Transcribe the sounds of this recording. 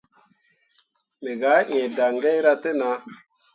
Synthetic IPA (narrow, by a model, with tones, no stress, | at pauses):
me˨ɡa˨˦ɲẽ˨da˨ŋɡe˦jɾa˧te˦na˧